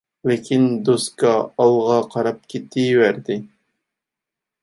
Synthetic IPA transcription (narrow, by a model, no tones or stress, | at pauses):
lɪkʲʰind̪oskɑɑlˠʁɑqʰɑɾɑp̚kʲʰet̪ʰːɪjwæɾd̪ɪ